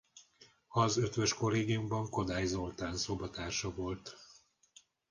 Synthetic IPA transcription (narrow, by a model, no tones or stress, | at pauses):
ɒzøt̪ʋø̞ʃko̞lːeːɡijumbɒŋko̞d̪aːjzo̞lt̪aːnsobɒt̪aːrʃɒvo̞lt̪